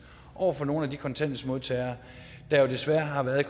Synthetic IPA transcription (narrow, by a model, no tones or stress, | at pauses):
ʔɒʊ̰ɐfɒ̽no̝ːn̩ædikʰɒ̽nt͡sʰen̰d̥əsmo̝ðˠt͡sʰɛɪɐ | d̥ɑ̈jo̝d̥e̝sʋæɐɦɑ̈ʋæːɐð̩ˠkʰ